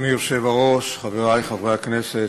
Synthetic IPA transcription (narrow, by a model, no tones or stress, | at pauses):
mijoʃe̞vaʁo̞ʃχaveʁajχavʁeakneset